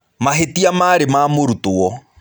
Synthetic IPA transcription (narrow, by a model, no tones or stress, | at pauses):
maɦetiamaːɾemaːmoɾutoɔ